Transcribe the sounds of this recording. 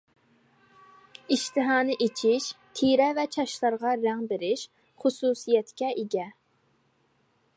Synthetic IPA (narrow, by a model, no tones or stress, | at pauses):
iʃt̪ʰɨɦɑːnɨʔet͡ʃʰiʃ | t̪ʰiɾɛvɛt͡ʃʰɑʃlˠɑɾʁɑɾɛŋbeɾɪʃ | χʊsusijɛt̪kʲɛʔiɡʲɛ